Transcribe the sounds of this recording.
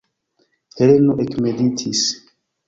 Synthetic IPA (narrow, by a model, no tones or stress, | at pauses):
helenoʔekmeditʰis